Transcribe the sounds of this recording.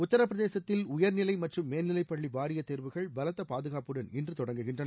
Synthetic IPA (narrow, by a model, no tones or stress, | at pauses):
ʊt̪ːɐɾɐpːɾɐðeːsɐt̪ːɪlʊjɐɾnɪlɐɪmɐʈrɯmːeːnnɪlɐɪpːɐɭːibaːɾɪjɐt̪ːeːɾʋɯɣɐɭbɐlɐt̪ːɐpaːðɯɣaːpɯɽɐnɪndrɯt̪ɔɽɐŋɡɯɣɪndrɐnɐ